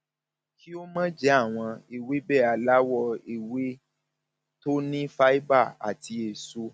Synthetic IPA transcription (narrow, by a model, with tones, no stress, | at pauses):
ki˦o˦mã˦d͡ʒɛ˦a˦˨w̃ɔ̃˧e˨we˦bɛ˦˨a˨la˦wɔ˧e˨we˦ | to˦nĩ˦fa˦i˦ba˦˨a̰˨ti˧e˨so˧